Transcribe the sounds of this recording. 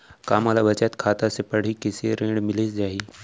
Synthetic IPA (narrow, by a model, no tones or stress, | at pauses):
kaːmalaʋɐt͡ʃat̪kʰaːt̪asepɐɽ̤ikiseɾẽːɖmɪlesd͡ʒaːɦiː